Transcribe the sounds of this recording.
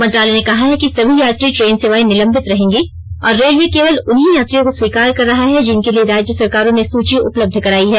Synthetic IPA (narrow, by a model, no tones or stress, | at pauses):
mɐ̃nt̪ɾaːlenekɐɦaɦɛkisɐbʱijaːt̪ɾiʈɾeːnseʋaːinɪlə̃mbɪt̪ɾɐɦẽːŋɡeː | ɔːɾːeːlwekeːʋəlʊnɦijaːt̪ɾijõkoswiːkaːɾkɐɾːɐɦaɦɛd͡ʒɪnkelieɾaːd͡ʒjəsɐɾkaːɾõnesuːt͡ʃiʔʊpləb̚d̪ʱkɐɾaːiɦɛː